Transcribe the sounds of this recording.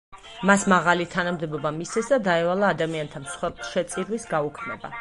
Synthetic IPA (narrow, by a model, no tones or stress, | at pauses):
masmaʁalit̪ʰanamd̪ɛbɔbamist̪ɛsd̪ad̪aɛvalˠaːd̪amiant̪ʰamsχwɛɾblˠʃɛt̪sʼiɾwisɡaukʰmɛ̰ba̰